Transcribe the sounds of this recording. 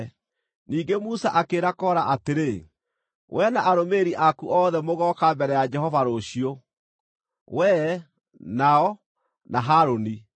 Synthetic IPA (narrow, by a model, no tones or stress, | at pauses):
niːɡemusaʔakeɾakɔːɾaʔateɾe | wʔɛnaʔaɾomeɾiʔakuʔɔːðɛmoɣɔkambɛɾɛjad͡ʒɛhɔvaɾoɕio | wɛ | naɔ | naɦaɾoni